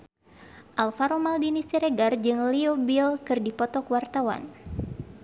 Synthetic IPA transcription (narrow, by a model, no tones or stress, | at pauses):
ʔalfaɾomaldinist̪iɾeɡard͡ʒɨŋliobilkɨrdipɔt̪ɔkwart̪awa̰n